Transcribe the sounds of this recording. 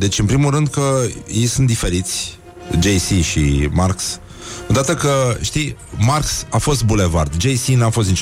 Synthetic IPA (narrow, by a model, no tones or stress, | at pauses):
d̪e̞t͡ʃʲɨnpɾimulrɨnd̪kəjejsunt̪d̪ife̞ɾit̪sʲ | d͡ʒejsiʃimarks | od̪at̪əkəʃt̪imarksafo̞s̬t̪̚bule̞vard̪d͡ʒe̞jsinafo̞st̪nit͡ʃ